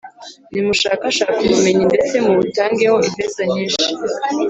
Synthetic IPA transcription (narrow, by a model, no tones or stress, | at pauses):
nimuʃaːkaʃaːkumume̞ɲinde̞t͡se̞muβutaːŋɡeho̞ʔimvezaɲiːnʃi̥